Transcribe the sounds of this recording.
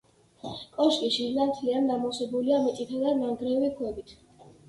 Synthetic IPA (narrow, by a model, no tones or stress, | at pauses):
kʼɔʃkʼiʃiɾnant̪ʰliand̪amɔsɛbuliamit̪ʼit̪ʰad̪anaŋɡɾivikʰwɛbit̪ʰ